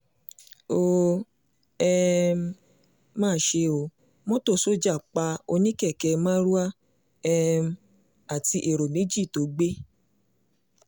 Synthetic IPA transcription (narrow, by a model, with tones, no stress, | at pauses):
o˧ | ɛ˧m˦ | mãː˦˨ʃe˧o˧ | mɔ̃˦to˦˨so˦d͡ʒa˦˨k͡pa˧o˧nĩ˦kɛ˦˨kɛ˧mãː˦ɾu˦a˦ | ɛ˦˧m˦ | a˨ti˧ʔe˨ɾo˨mẽ˨˦d͡ʒi˦˨to˨˦ɡ͡be˦